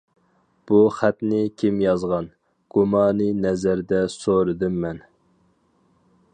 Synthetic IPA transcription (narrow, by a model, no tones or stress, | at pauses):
b̥uχæt̪nɪkʲʰimjɑzʁɑn | ɡ̥umɑːnɨnɛzæɾd̪ɛsoɾɨd̪ɨmːɛn